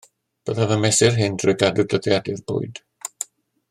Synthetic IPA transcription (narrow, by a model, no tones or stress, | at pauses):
b̥əðavəmɛsɪrɦɪndrɔɡadʊdəðjadɪrb̥ʊ̰ɨd̥